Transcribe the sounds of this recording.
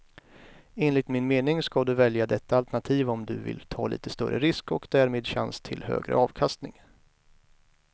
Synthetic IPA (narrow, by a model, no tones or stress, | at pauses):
eːnlɪt̪mɪnmeːnɪŋskad̪ɵvɛljad̪ɛt̪ːaalt̪æɳat̪ʰiːvɔmd̪ɵvɪ̰lt̪ʰɑːlḭːt̪əst̪œɾʔə̰ɾɪskɔkd̪æɾmeːd̪ɕa̰nst̪ʰɪlhø̰ːɡɾə̰ɑːvkʰast̪nɪŋ